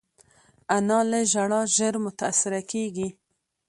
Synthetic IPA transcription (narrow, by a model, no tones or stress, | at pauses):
anɑleʒaɽɑʒəɾmʊt̪aːsɪɾakeɡi